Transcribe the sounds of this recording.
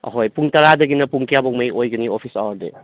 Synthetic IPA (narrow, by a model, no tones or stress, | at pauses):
ɐ̰ɦojpuŋtɐɾadɐɡinɐpuŋkʰijabɔŋ̚majʔojɡɯniopʰisa̰wɐɾdḛ